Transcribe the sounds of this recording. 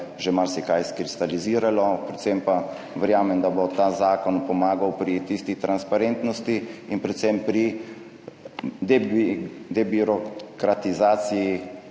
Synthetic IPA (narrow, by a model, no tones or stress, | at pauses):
ʒemalsɛkajskɾist̪aliziːɾalɔpɾɛt̪sɛmpa | ʋɛɾjaːmɛmd̪abot̪aːzaːkɔnpɔmaːɡawpɾit̪ist̪it̪ɾanspaɾent̪nɔst̪iinpɾɛt̪sɛmpɾi | d̪ɛbd̪ɛbiɾɔkɾat̪izaːt̪siji